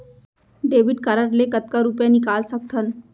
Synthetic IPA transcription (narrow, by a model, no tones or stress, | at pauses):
ɖeːʋiɖkəɾəɾlekət̪̚kaɾupjanikaːlsək̚t̪ʰən